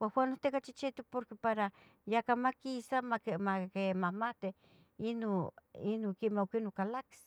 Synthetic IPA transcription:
waxwanot̪ekat͡ʃit͡ʃit̪upoɾkepaɾa | jakamakisamamakemahmat̪e | inoinokemeokinokalaki̥s

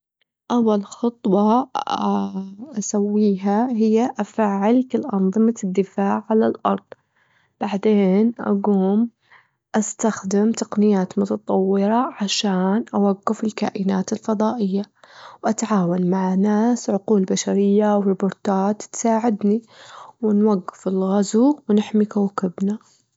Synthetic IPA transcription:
ʔawːalxɑt̪ˤwɑ | ʔasawːiːɦaɦɪjːaʔafaːʕɪlkɪlʔɑnðˤɨmad̪ːɪfaːʕʕalalʔɑ̰ɾˤd̪ˤ | b̥aʕd̪eːnʔa̰ɡuːm | ʔast̪axd̪ɪmt̪aqnɪjaːt̪mʊt̪ɑt̪ˤɑwːɪɾɑʕaʃaːnʔawaɡːɪfɪlka̰ːʔɪnaːt̪ɪlfɑðˤɑːʔɪjːawʔat̪ʕaːwanmaʕanaːsʕʊquːlbaʃaɾɪjːawɾɪbʊɾt̪aːt̪t̪saːʕɪd̪niwɪnwaɡːɪfɪlɣazuːwnɪħmikawkɪbna

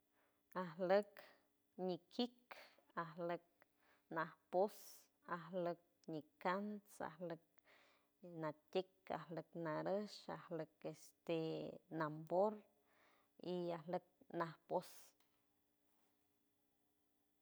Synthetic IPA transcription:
ahlək | ɲikikaɦlək̚ | nahpos | aɦlək̚ɲikansa̰hlək̚ | natʲeka̰hləknaɾəʃa̰hləkest̪enamboɾ | iahlək̚nahpos

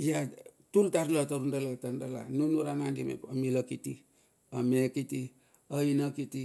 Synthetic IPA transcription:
jatultaɾlataɾundalatandala̰nunuɾaŋandimḛpamilakiti | amekiti | ainakiti

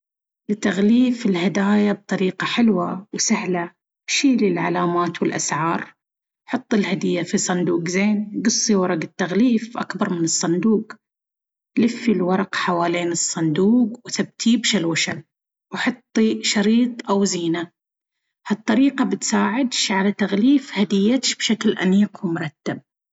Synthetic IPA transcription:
lɪt̪ːaɣliːfɪlhad̪aːjab̚t̪ˤɑɾiːqɑħɪlwawsahla | ʃiːlɪlʕalaːmaːt̪wɪlʔa̰sʕɑːɾˤ | ħɑt̪ˤːɪlhad̪ɪjːafisˤɑnd̪uːqzeːnɡɨsˤːiwɑɾˤɑɡɪt̪ːaɣliːfʔa̰kbɑɾˤmɪnɨsˤːɑnd̪uːq | lɪfːilwɑɾˤɑqħawaːleːnɨsˤːɑnd̪uːqwθab̚t̪ʰiːbʃalwaʃal | wħɑt̪ˤːiʃɑɾiːt̪ˤʔawziːna | hɑt̪ˤːɑɾiːqɑbɪt̪saːʕɪd̪ʃʕalat̪aɣliːfhad̪ɪjːat̪ʃb̥ʃaklʔamiːqwmʊɾˤɑt̪ːab̚

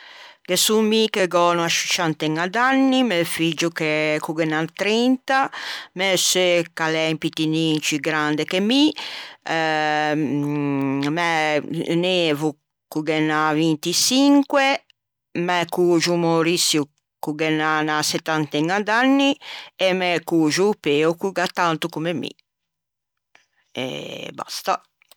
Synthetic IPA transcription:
ɡ̥esumikɛɡɔːnuaʃi̥t͡ʃant̪ɛŋːad̪anːimɛfid͡ʒukɛkuɡɛnant̪ɾint̪amɛsɛkalɛmpit̪inint͡ʃiɡɾand̪ɛkemi | mɛneːvu | kuɡɛnːavint̪isiŋkwe | mɛkuʒumoɾisju | kuɡɛnanasɛt̪ːant̪ɛŋad̪anːiɛmɛkuʒupeːukuɡat̪ːant̪ukumemḭ | ɛ̰ba̰st̪a

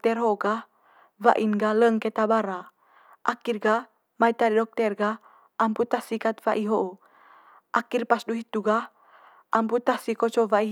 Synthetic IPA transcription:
t̪ɛrɦoɡah | va̰ʔinɡaləŋket̪abaɾa | ʔakirɡa | majt̪aɾidɔk̚t̪ɛrɡah | ʔamput̪ahsikat̪vaʔiɦoʔo | ʔakirpasduɦit̪ːuɡah | ʔamput̪ahsikot͡ʃovai

